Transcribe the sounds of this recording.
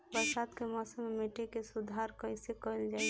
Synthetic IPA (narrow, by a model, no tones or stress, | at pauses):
bəɾsad̪kemɔːsəmːemeʈekesud̪ʱaɾkəɪsekəld͡ʒaː